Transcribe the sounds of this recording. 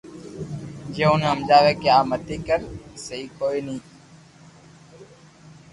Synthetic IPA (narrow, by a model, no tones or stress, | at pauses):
d͡ʒeːʊnɦəmd͡ʒaːʋeːkeaːmət̪iːkəɾsəɦiːkoːiːnĩː